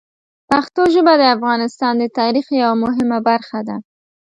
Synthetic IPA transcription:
paxt̪oʒəbad̪əafɣɑnɪst̪ɑnd̪ət̪ɑɾixjawamʊɦɪmabaɾxad̪a

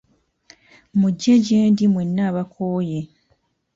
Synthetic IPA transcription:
muɟːeɟeːndimwe̞nːaːβakʰoːje

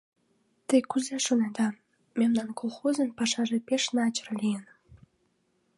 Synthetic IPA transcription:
t̪əjkuzeʃonɑd̪ɑ | memnɑnkʰolˠxozə̆npɑʃɑʒepeʃnɑt͡ɕərlʲijən

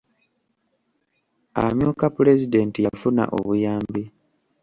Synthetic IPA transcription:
a̰mjuːkapule̞zide̞ːntijafuna̰ʔo̞̰βujaːmbi

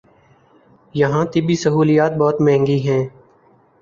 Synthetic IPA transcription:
jəɦãːt̪ɪbiːsəɦuːlijaːt̪̚bɔːt̪mɛ̃ːŋɡiɦɛ̃ː

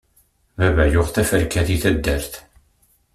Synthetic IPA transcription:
mævæjʊʁθæfəɾkæθiθæd̪ːæɾθ

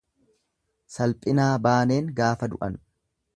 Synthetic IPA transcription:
sɐlpʼɪnaːbaːne̞ːŋɡaːfɐd̪ʊʔɐn

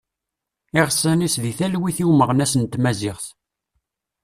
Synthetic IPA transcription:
ɪʁsːænisðiθælwiθiwməʁnæsənt̪ːmæzɪʁθ

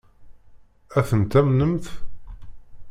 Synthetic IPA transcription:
æθənt̪æmnəmθ

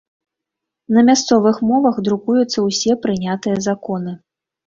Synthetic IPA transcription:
nɐmʲast̪sɔvɨxmɔvɐxd̪ɾukujut̪sːɐwsʲɛpɾɨnʲat̪ɨjɐzakɔnɨ

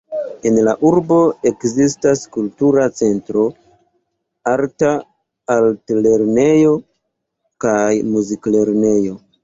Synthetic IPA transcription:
e̞nlaʔuɾbo̞e̞kzistaskultuɾat͡se̞ntɾo̞ | aɾtaː | ltle̞ɾne̞jo̞ | kajmuzikle̞ɾne̞jo̞

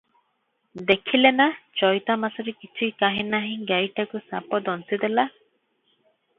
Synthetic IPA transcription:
d̪ekʰilenat͡ʃɔjt̪amasɔɾekit͡ʃʰikaɦĩnaɦĩɡajʈakusapɔd̪ɔnsid̪ela

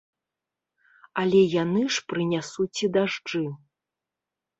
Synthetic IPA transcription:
ɐlʲɛjanɨʂpɾɨnʲasut͡sʲid̪aʐd͡ʐɨ

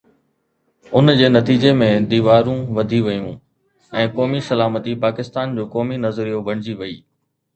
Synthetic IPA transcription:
ʊnd͡ʑeːnɐt̪iːd͡ʑemẽd̪iːʋaːɾũʋɐd̪ʱiʋɐjũː | ɛ̃ːkɔːmisɐlaːmət̪ipaːkɪst̪aːnd͡ʑoːkɔːminɐzɾijobɐɽ̤̃ɪd͡ʑiʋɐiː

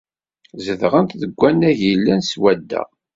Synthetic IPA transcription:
zəðʁənt̪ðəɡʷːænːæʝilːænswæd̪ːæ̰

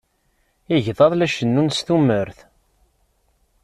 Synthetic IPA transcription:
ɪʝðˤɑðˤlæʃənːunsθumːəɾθ

